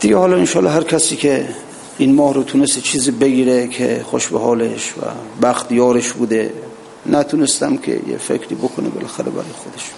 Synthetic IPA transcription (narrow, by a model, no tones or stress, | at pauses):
d̪̥iɡehɒːlɒenʃɒːlɒɦæɾkʲʰæsiːkʲʰe | inmɒːhɾot̪ʰunest̪et͡ʃʰiːziːbeɡiːɾekʰḛxoʃbeɦɒːleʃvæ̰bæxt̪jɒːɾeʃbud̪e | næt̪ʰunest̪æmkʲʰḛjḛfḛkʰɾiːbokʰonebelæxæɾebæ̰ɾɔːjexod̪eʃ